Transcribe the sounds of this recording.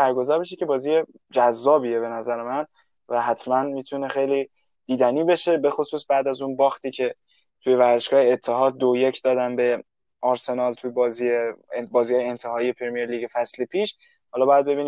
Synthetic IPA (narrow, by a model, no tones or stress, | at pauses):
bæɾɡo̞zɒːɾbeʃ̬ikʰʲe̞bɒːziːje | d͡ʒæzːɒːbie̞be̞næzæɾemæn | væɦæt̪ʰmænmiːt̪ʰune̞xejliː | d̪̥iːd̪æniːbe̞ʃe̞be̞xosuːsbæːd̪æzunbɒːxt̪ʰiːcʰe̞ | t̪ʰuje̞væɾzeʃɡɒːheːt̪ʰːeɦɒːd̪̚d̪ojecʰd̪ɒːd̪ænbe̞ | ɒɾse̞nɒːlt̪ʰubɒːziebɒːzihɒːjeent̪ʰe̞hɒːije̞pʰɾmijeɾliːɡefæslipʰiːʃ | hɒːlɒːbɒːjæd̪̚be̞biːni